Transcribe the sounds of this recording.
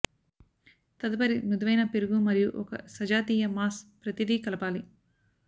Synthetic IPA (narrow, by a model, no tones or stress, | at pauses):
t̪ɐd̪ɐpɐɾinud̪ɐʋɐjnɐpeɾuɡumɐɾijuʔɔkɐ̰sɐd͡ʒaːt̪iːjɐmaːspɾɐt̪id̪iːkɐlɐpaːli